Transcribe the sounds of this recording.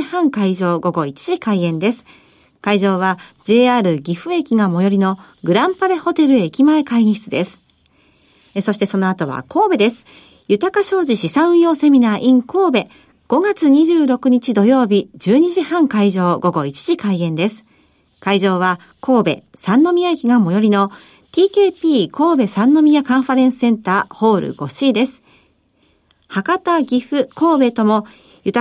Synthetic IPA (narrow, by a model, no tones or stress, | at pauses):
ihãŋkaiʑo̞ːɡo̞ɡo̞it͡ɕi̥ʑikaiẽ̞nd̪e̞sɨ̥ | kaiʑo̞ːβad͡ʑe̞ːaːɾɯ̟ɡʲiɸɯ̟e̞kʲiɡamo̞jo̞ɾʲino̞ | ɡɯ̟ɾãmpaɾe̞ho̞t̪e̞ɾɯ̟eːkʲimae̞kaĩçi̥t͡sɨd̪e̞sɨ̥ | so̞ɕi̥t̪e̞so̞no̞at̪o̞βa̰kʰo̞ːbe̞d̪e̞sɨ̥ | jɯ̟t̪akaɕo̞ːʑiɕisãɰɯ̟̃jo̞ːse̞mʲinaːʔĩŋko̞ːbe̞ | ɡ̥o̞ɡat͡sɨɲ̟iʑɨːɾo̞kɯ̟ɲ̟it͡ɕid̪o̞jo̞ːbʲid͡ʑɨːɲ̟iʑihãŋkaiʑo̞ːɡo̞ɡo̞it͡ɕi̥ʑ̥ikaiẽ̞nd̪e̞sɨ̥ | kaiʑo̞ːβa | kʰo̞ːbe̞̰sãnːo̞mʲijakʲiɡãmːo̞jo̞ɾʲino̞ | t̪ʲiːke̞ːpʲiːkʰo̞ːbe̞sãnːo̞mʲiakãɰ̃ɸaɾẽ̞ɰ̃sɨ̥sẽ̞nt̪aːho̞ːɾɯ̰ɡ̥o̞ɕiːd̪e̞sɨ̥ | hakat̪aɡʲiɸɯ̟ko̞ːbe̞t̪o̞mo̞ | jɯ̟t̪